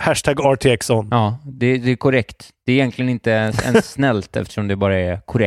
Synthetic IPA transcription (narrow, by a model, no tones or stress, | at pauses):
hæʂʈʰæɡɑʈʰeksɔnɑːd̪ɛd̪ɛːkʰʊɾɛkt̪d̪̥ɛːɾɪjɛnkʰlɪɡənɪnt̪əɛ̰nsnɛlt̪ʰɛ̰ft̪ə̥ʂɔmd̪ɛbɑːɾaɛɾkʰʊɾɛ